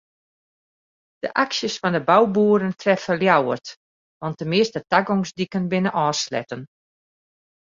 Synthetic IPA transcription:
d̥ə̰ʔaksjəsfɔndəbawbuəɾəntʰrɛfəljawə̰rt | ʋɔnt̚əmɪəstətaɡɔŋsdikənbɪnəʔɔːslɛ̰tən

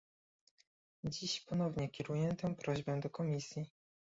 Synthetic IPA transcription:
d͡ʑiɕpɔn̪ɔvɲɛkʲɛɾujɛt̪ɛ̃w̃pɾɔʑbɛ̃d̪ɔkɔmʲisʲji

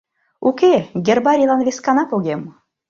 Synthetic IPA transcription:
ukʲeɡʲerbɑɾʲilɑnβeskɑnɑpoɣem

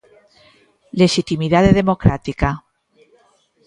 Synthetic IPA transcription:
le̞ʃit̪imiðaðeðe̞mokɾat̪ika

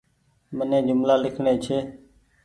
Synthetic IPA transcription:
mənẽːd͡ʒʊmlaːlɪkʰɳeːt͡ʃʰeː

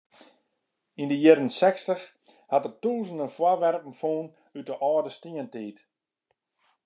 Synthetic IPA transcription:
indəjɪɾənsɛkstəx | hatərtuːzən̩dənfwɔʋɛrp̚n̩foːn | yt̚əʔɔːdəstiəntiːt

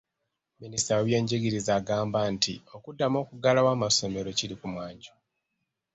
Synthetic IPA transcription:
ministawoβje̞ːɲɟiɡiɾizaːɡaːmbantʰio̞kudːamo̞ːkuɡalawaːmasome̞ɾo̞ciɾikumwaːɲɟo

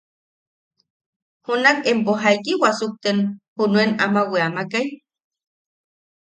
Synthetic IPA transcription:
hunakempoɦaikiwasuk̚t̪enhunuena̰maweamakaj

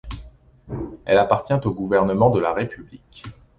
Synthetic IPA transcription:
ɛlapaʁt̪jɛ̃t̪oɡuvɛʁnəmɑ̃d̪əlaʁepʰyblik

